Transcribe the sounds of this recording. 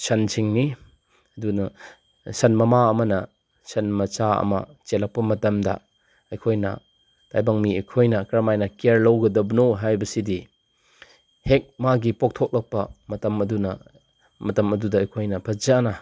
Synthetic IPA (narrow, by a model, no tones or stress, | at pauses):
sɐnt͡ʃʰiŋni | ɐdunɐ | sɐnmɐmaɐmɐnɐ | sɐnmɐt͡ʃaɐ̰mɐ̰t͡ʃelɐk̚pɐmɐtɐmdɐ̰ | ɐjkʰojnɐ̰ | tajbaŋmiɐjkʰojnɐkɾɐmajnɐkeɾlɐwɡɐdɐbɐnoɦajbɐsidi | hek̚maɡipok̚tʰok̚lɐk̚pɐmɐtɐmɐdunɐ | mɐtɐmɐdudɐːjkʰojnɐpʰɐd͡ʒanɐ